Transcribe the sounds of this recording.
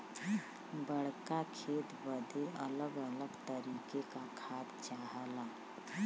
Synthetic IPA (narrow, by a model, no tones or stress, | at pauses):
bəɽkakʰeːt̪bəd̪ʱeələɡələɡt̪əɾiːkekakʰaːt̪t͡ʃaɦala